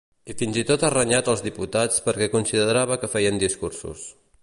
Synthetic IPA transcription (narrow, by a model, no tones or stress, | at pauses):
ifinzit̪ot̪arəɲat̪əlˠzðiput̪at͡spəɾkɛkunsiðəðəɾaβ̞əkəfɛjənd̪iskursṵs